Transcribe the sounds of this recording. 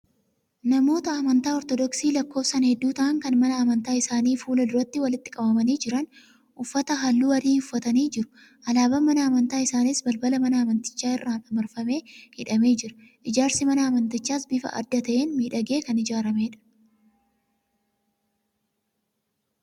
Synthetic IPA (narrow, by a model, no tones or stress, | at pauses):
nɐmo̞ːt̪ɐːmɐnt̪aːɔɾt̪ɔd̪ɔksiːlɐkːo̞ːfsɐnhɛd̪ːuːt̪ɐʔɐŋkɐnmɐnɐɐmɐnt̪aːɪsaːniːfuːlɐd̪ʊɾɐt̪ːɪwɐlɪt̪ːɪkʼɐbɐmɐniːd͡ʒɪɾɐn | ʔʊfːɐt̪ɐɦɐlːuːɐɾiːʊfːɐt̪ɐniːd͡ʒɪɾʊ̥ | ʔɐlaːbɐmɐnɐːmɐnt̪aːɪsaːnɪsbɐlbɐlɐmɐnɐɐmɐnt̪ɪ̥t͡ʃːaːɪrːaːnɐmɐɾfɐme̞ːhɪᶑɐme̞ːd͡ʒɪɾɐ̥ʔɪd͡ʒaːɾsɪmɐnɐːmɐnt̪ɪt͡ʃːaːsbɪfɐ̰ʔɐ̰d̪ːɐt̪ɐʔe̞ːnmiːᶑɐɡe̞ːkɐnɪd͡ʒaːɾɐmeːᶑɐ̥